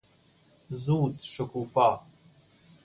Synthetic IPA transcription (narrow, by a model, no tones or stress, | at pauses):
zuːtʰʂɐkʷʰufa